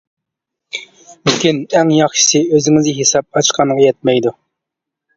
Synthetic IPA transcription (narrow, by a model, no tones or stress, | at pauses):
lɪkʲynɛŋjɑχʃɨ̥sɨøzɪŋɪzɦesɑp̚ɑt͡ʃqʰɑŋʁɑjɛt̪̚mɛjd̪u